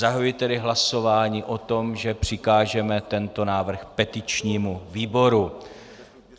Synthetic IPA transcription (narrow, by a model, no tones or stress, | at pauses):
aɦaujɪt̪ɛdɪɦlaso̞vaːɲiːʔo̞t̪o̞mʒɛpr̝̥ɪkaːʒɛmɛt̪ɛnt̪o̞naːvr̩xpɛt̪ɪt͡ʃɲiːmuviːbo̞ɾu